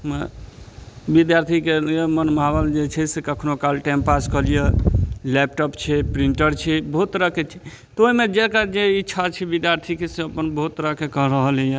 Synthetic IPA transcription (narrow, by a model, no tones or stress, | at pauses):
mə | bid̪jaɾt̪ʰikeemənmabəld͡ʒet͡ʃʰɛsekəkʰnokalʈɛ̃mpaskəlijelɛp̚ʈɔpt͡ʃʰɛpɾiɳʈəɾt͡ʃʰɛbəɦut̪ːɾaket͡ʃʰɛ | t̪oimed͡ʒekad͡ʒeitːʃʰat͡ʃʰɛbid̪jaɾt̪ʰikeseəpənbəɦut̪ːəɾakekəɦɾəɦəlɛje